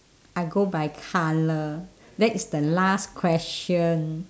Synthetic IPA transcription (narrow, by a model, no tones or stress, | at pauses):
ʔajɡobajkʰalə | dɛtisdəlaskʰwɛst͡ʃə̃n